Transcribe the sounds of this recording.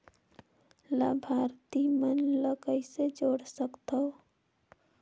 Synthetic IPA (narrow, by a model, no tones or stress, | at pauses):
labʱaɾt̪imənləkəɪsed͡ʒoɽsəkt̪ʰə